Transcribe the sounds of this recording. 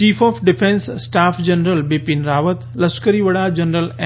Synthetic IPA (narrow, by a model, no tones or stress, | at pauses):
t͡ʃiːfʰɔːfʰɖɪpʰẽnsːʈaːpʰd͡ʒɐnɾəlbepinɾaːʋət̪lɐskəɾiʋɐɽad͡ʒɐnɾəlɛ